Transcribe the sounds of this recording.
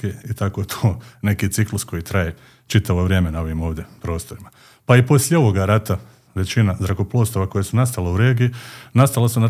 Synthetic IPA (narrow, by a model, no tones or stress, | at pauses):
eit̪ako̞t̪ʰoːne̞kiːt̪siklusko̞jit̪ɾaje | t͡ʃit̪aʋo̞ʋɾʲje̞ːme̞nao̞ʋimo̞ːʋd̪je̞pɾo̞ːst̪o̞ɾima | paipo̞sʎʲeo̞ʋo̞ɡaɾat̪a | ʋe̞t͡ɕinazɾakoplˠo̞ːst̪oʋako̞jesunast̪aleuɾe̞ːɡiinast̪alesuna